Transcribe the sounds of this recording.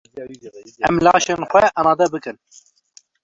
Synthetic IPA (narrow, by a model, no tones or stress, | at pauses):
ɛmlɑːʃeːnxʷɛʔɑmɑːd̪ɛbɨkɨn